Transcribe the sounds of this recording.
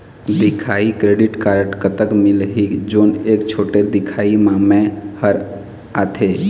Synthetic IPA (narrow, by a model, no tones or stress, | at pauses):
d̪ɪkʰaːikɾeːɖɪʈkaːɾɖkət̪əkmɪlɦid͡ʒoːneːkt͡ʃʰoːʈed̪ɪkʰaːimãːmẽhəɾ | aːt̪ʰeː